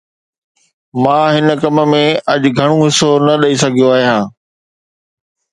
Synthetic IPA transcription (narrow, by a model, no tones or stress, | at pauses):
mãːɦɪnəkɐmə̆mẽɐʄɡʱɐɽ̃ũɦɪsonɐɗɐisɐɡʱijoaːɦijɦãː